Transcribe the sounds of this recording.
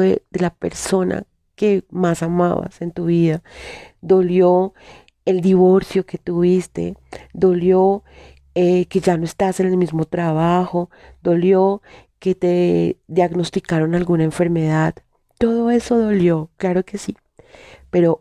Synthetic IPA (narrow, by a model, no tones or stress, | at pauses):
ḛd̪e̞lape̞̰ɾso̞na̰ | ke̞masama̰βa̰se̞nt̪uβiðad̪o̞ljo̞ | eld̪iβo̞ɾsjo̞ke̞t̪uβist̪e̞̰d̪o̞ljo̞ | eke̞ʝanoe̞st̪ase̞ne̞lmizmo̞t̪ɾaβaxo̞d̪o̞ljo̞ke̞t̪e̞ðjaɣno̞st̪ikaɾo̞nalɡunaeɱfe̞ɾme̞ðað | t̪o̞ðo̞e̞so̞ðo̞ljo̞klaɾo̞ke̞si | pe̞ɾo̞